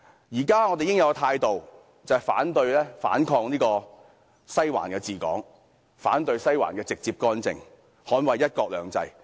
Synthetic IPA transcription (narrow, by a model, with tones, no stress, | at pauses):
jiː˨˩kaː˥ŋɔː˨˧t̪e˨jɪ˥ŋjɐ˧wt̪ʰaː˧jt̪o˨w | t͡sɐ˨jfaː˨˥nt̪ɵ˧ɥlɛː˥fa̰ː˨˥nkʰɔː˧ŋniː˥kɔː˧ | sɐ˥jwa̰ː˨˩nkɛː˧t͡siː˨˩kɔ̰ː˨˥ŋ | fa̰ː˨˥nt̪ɵ˧ɥsɐ˥jwa̰ː˨˩nkɛː˧t͡sɪ˨k̚t͡siː˧p̚kɔː˥nt͡sɪ̰˨ŋ | hɔː˨˥nwɐ˨jːɐ˥t̚kɔː˧k̚lœː˨˧ŋt͡sɐ̰˧j